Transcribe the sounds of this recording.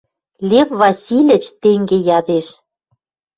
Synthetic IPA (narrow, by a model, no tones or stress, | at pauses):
lʲefβɑsʲilʲɘ̆t͡ɕt̪eŋɡejɑd̪eʃ